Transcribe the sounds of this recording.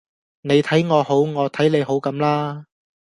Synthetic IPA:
ne˨˧jt̪ʰɐ˨˥jŋɔː˨˧ho˨˥wŋɔː˨˧t̪ʰɐ˨˥jle˨˧jɦo˨˥wkɐ˨˥mlaː˥

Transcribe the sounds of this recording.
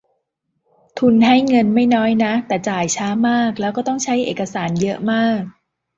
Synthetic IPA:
t̪ʰu˧nɦa˥˩jŋɤ˧nma˥˩jnɔː˦˥jna˦˥t̪ɛː˨˩t͡ɕaː˨˩jt͡ɕʰaː˦˥maː˥˩k̚lɛː˦˥wkɔː˥˩t̪ɔ˥˩ŋt͡ɕʰa˦˥jʔeː˨˩ka˧saː˩˦njɤ˦˥ʔmaː˥˩k̚

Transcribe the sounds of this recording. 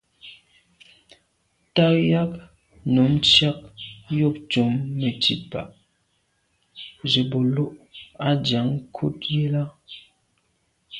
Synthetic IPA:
ta˦ja˦k̚ | no˨˦mt͡ʃa˦k̚jo˦˨p̚t͡ʃu˨˦mːe˨tḭ˨t̚pa̰˨ʔ | d͡ʒe˨bo˨lo˦ʔa˦d͡ʒja˨˦ŋkʰu˦t̚je˦la˦

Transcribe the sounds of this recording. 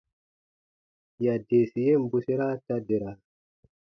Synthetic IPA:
ja˨de˨si˨je˦m̩˦bu˨si˦ɾa˦ta˦de˨ɾa˨

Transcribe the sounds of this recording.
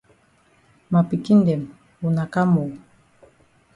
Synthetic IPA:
ma˨pi˨ki˦ndɛ˨m | u˨na˨ka˦mo˨

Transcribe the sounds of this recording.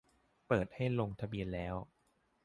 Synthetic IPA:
pɤː˨˩t̪̚ha˥˩jlo˧ŋt̪ʰa˧bi˧ənlɛː˦˥w

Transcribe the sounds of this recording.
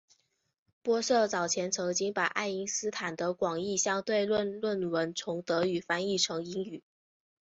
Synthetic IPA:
pwɔ˥ʂɤ˥˩t͡sɑ˨˩ʊt͡ɕʰjɛ˧˥nt͡sʰɤ˧˥ŋt͡ɕi˥ŋpa˨˩ɪʔa˥˩ɪi˧˥ŋsɹ̩˥t̪ʰa˨˩nd̪ə˦kwɑ˨˩ŋi˥˩ɕjɑ˥˧ŋt̪we˥˧ɪlwə˥˧nlwə˥˩nwə˧˥nt͡sʰʊ˧˥ŋt̪ɤ˧˥y˨˩fa˥ni˥˩ʈ͡ʂʰɤ˧˥ŋi˧˥ŋy˨˩˦

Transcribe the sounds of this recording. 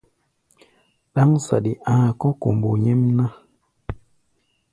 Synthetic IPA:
ɗa˦ŋsa̰˨ɗi˨ʔa˨kɔ˦ko˨mbo˨ɲɛ˦mna˦

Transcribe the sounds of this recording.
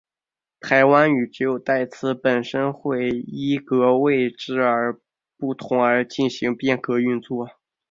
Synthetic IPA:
t̪ʰa˧˥ɪwa˥ny˨˩ʈ͡ʂɻ̩˧˥jo˨˩ʊt̪a˥˩ɪt͡sʰɹ̩˥˩pə˨˩nʂə˥nxwe˥˩ɪi˥kɤ˧˥we˥˧ɪʈ͡ʂɻ̩˥˩ə˞˧˥ | pu˥˩t̪ʰʊ˧˥ŋə˞˧˥t͡ɕi˥˩nɕi˧˥ŋpjɛ˥˩nkɤ˧˥y˥˧t͡swɔ˥˩

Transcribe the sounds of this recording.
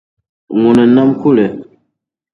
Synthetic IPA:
ŋu˨nɛ˨na˦mku˦lɛ˨

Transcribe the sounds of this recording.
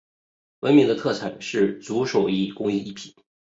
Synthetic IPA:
wə˧˥nmi˧˥d̪ə˧t̪ʰɤ˥˩t͡sʰa˨˩˦ʂɻ̩˥˩t͡su˧˥ʂo˨˩ʊi˧˥˩kʊ˥ŋi˥˧i˥˩pʰi̥˧˥˦

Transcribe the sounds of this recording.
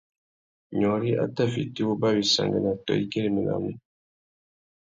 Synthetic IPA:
ɲɔ˨ɾi˦ʔa̰˦ta˦˨fḭ˨ti˦wo˦ba˦wi˨sa̰˨ŋɡa˨na˨tɔ̰˨i˦ke˦ɾi˦˨mi˨na̰˨mi˦

